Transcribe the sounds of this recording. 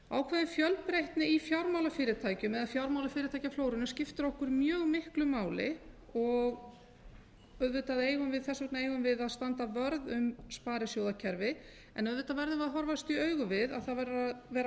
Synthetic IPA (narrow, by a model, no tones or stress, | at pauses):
aːwkʰvɛːðɪnfjœlpɾejht̪nɪifjawɾmawlafɪːɾɪt̪ʰaːjcʏmɛðaðfjawɾmawlafɪːɾɪt̪ʰajcafloːwɾʏnʏscɪft̪ʏɾɔhkʏɾmjœːɣmɪhklʏmaːwlɪ̰ | ɔɣ | œðvʏt̪aðeːjɣʏmvɪðθɛsɛknaeːjɣʏmvɪðaðst̪ant̪avœɾðʏmspaːɾɪsjoːwðacʰɛɾvɪ | ɛ̰nœðvʏt̪avɛɾðʏmvɪðaɦɔɾvast̪iœːɥɣʏvɪða̰ðθaðvɛɾavɛːɾ